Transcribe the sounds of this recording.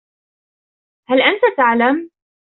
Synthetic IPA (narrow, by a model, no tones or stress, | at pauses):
halʔant̪at̪aʕlam